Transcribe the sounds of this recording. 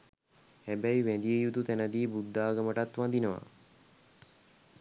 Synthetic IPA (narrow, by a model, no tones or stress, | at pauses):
hæbæjiʋæd̪iəjut̪ut̪ænəd̪iːbud̪ːaːɡəməʈat̪ʋand̪inəʋa̰